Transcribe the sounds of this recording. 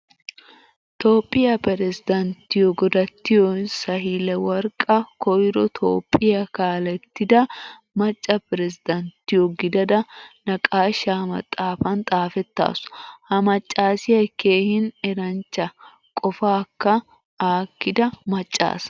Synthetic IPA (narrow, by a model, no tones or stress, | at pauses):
t̪o̞ːpʼːɪjɐpɛɾɛsɪd̪ɐnt̪ːɪjɔɡɔd̪ɐt̪ːɪjɔsɐɦɪlɛwɐɾkʼɐkɔjɾɔt̪ʰo̰ːpʼːɪjɐkaːlɛt̪ːɪd̪ɐ | mɐt͡ʃʼːɐpɪɾɛsɪd̪ɐnt̪ːɪjɔɡɪd̪ɐd̪ɐnɐkʼaːʃaːmɐ̰t̪ʼːaːfɐnt̪ʼaːfɛt̪ːa̰ːsʊ̥hɐmɐt͡ʃʼːaːsɪjɐkːeːhɪnɛɾɐnt͡ʃːɐ | kʼɔfaːkːɐ | aːkːɪd̪ɐmɐt͡ʃʼːa̰ːs